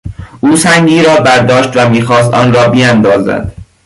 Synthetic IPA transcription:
ʔuːsæŋɡiːɾɒːbæɾd̪ɒːʃt̪væmiːxɒːst̪ɒ̰ːnɾɒːbijænd̪ɒːzæ̰d̪̥

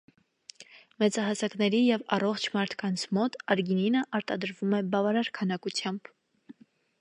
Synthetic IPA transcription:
mɛt͡sɑɦɑsɑknɛɾijɛvɑ̰rɔχt͡ʃʰmɑɾt̪ʰkɑnt͡sʰmɔt̪ɑɾɡininəʔɑɾt̪ɑd̪əɾvumɛbɑvɑɾɑɾkʰɑnɑkut͡sʰjɑmb̥

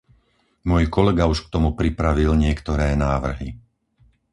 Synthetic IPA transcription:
mʊɔjkɔlɛɡauʃk̚t̪ɔmupɾipɾaʋilɲɪɛkt̪ɔɾɛːnaːʋr̩ɦi

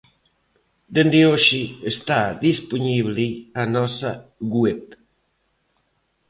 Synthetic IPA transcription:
d̪end̪ɪoʃiest̪aðispuɲiβlianɔsɐɣwep

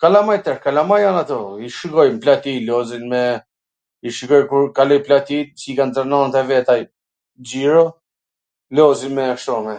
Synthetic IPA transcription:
kalamajt̪ɛɾkalamajanat̪ɔiʃiɡɔjmplat̪ilɔzinmɛ | iʃiɡɔjkuɾkalɔjplat̪isikant̪anɔnt̪ɛvɛt̪a | d͡ʒiɾɔ | lɔzinmɛakʃt̪ɔmɛ

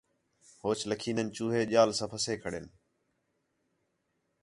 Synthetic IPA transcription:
hoːt͡ʃləkʰiːnənt͡ʃuːɦeːʄaːlsãːpʰəseːkʰəɽen

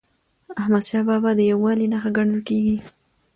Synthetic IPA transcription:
ahmad̪ʃɑbabad̪əjawːɑlinaxaɡaɽ̃əlkeɡi

